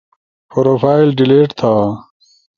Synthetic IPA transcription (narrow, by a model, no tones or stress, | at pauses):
poɾoːfaːilɖileːʈt̪ʰaː